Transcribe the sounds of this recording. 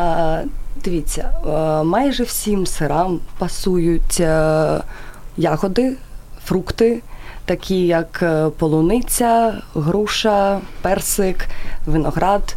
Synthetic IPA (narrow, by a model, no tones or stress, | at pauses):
d̪̥ɪʋʲit͡sʲːɐmɑjʒɛw̥sʲimsɪɾɑmpɐsujʊtʲ | jɑɦɔd̪ɪfɾukt̪ɪt̪ɐkʲijɐkpɔlˠʊnɪt͡sʲɐɦɾuʃɐpɛrsɪkʋɪnɔɣɾɑd̪